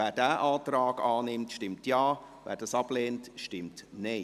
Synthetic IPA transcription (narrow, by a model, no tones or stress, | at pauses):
æːdæːʔaːtraːɡ̥ɑːnɪmtʃtɪmtjaːvæ̰ːɾd̥ɑsɑb̥leːntʃtɪmtne